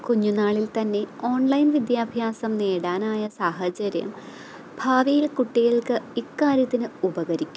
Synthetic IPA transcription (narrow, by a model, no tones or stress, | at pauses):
kuɲːunaːɭilt̪ɐnːe̞o̞ːɳlɐjnʋid̪jaːbʱjaːsɐmne̞ːɽaːnaːjɐsaːɦɐt͡ɕɐɾjɐ̰m | b̥ʱaːʋijilkuʈːiɣɐɭkɨikːaːɾjɐt̪ːinɨubɐɣɐɾikʲːum